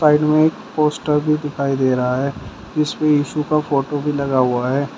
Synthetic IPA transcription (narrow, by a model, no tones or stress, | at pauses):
saːɪɖmẽeːkpoːsʈəɾbʱid̪ɪkʰaːid̪eːɾɐɦaɦɛː | d͡ʒɪspeiːʃukafoːʈobʱilɐɡaɦʊaɦɛː